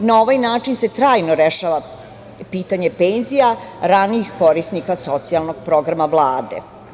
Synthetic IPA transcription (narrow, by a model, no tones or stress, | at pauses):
nao̞ʋajnaːt͡ʂinse̞t̪ɾaːjnoɾeʃaːʋa | piːt̪aɲe̞penzijaɾaniːxko̞ɾisnikaso̞t̪sialˠno̞ɡ̥̚pɾo̞ɡɾamaʋlˠaːd̪ḛ